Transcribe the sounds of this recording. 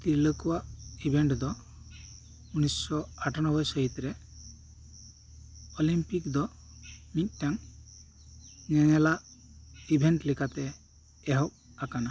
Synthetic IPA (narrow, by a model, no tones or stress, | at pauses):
t̪iləkuwaʔibʱeɳʈd̪ɔ | unissɔaʈʰanɔbɔjsəɦit̪ɾɛ | ɔlimpikd̪ɔ | mit̪̚ˀʈaŋ | ɲɛŋɛlaʔibʱeɳʈlikat̪ɛː | ɦɔk̚ | akana